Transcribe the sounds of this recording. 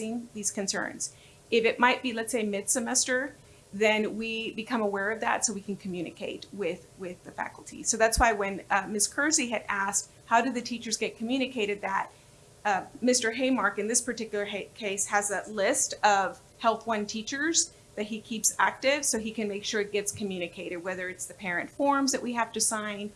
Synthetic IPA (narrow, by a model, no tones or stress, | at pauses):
ɪ̃ŋðiz̥kɨ̃nsɜ̰̃˞nz̥ | ɪfɨt̚maɪt̚b̥ilɨtseɪmɪd̥sɨmɛstə˞ | ðɨ̃nwibɨkʰʌ̃məwɛɹʌvðæ̰tsoʊwikʰɨ̃n̩kʰm̩jʉnɨ̰kʰeɪt̚wɪð̥ | wɪðɨfæ̰kl̩ˠtʰḭsoʊðætswaɪwɨ̃nmɪskʰɜ˞ziɨɾæst̚ | haʊɾɨðɨtʰit͡ʃə˞zɡɛt̚kʰmjʉñɨkʰeɪɾɨd̪̚ðɨt̚ | mɪstə˞ɦeɪmɑɹkɨ̃nðɪspʰə˞tɪkjl̩ˠə˞kʰeɪshɨzəlɪstʌv̥ | hɛlˠθwʌ̃ntʰit͡ʃə˞z̥ | ðɨt̚hikʰipsæ̰k̚tɪv̥soʊikɨ̃nmeɪkʃʊɹɨt̚ɡ̥ɛtskʰɨmjʉñɨkʰeɪɾɨd̚wɛðə˞ɨtsðɨpʰɛɹɨ̃ntfɔɹmzðɨʔwihæftɨsãɪ̃n